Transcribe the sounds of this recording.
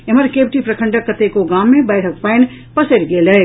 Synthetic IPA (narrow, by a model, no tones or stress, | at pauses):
eməɾkeːbʈipɾɐkʰə̃ɳɖəkːət̪ekoɡaːmːẽbɛːɪʈʰək̚paɪn | pɐsəɾɡeːleː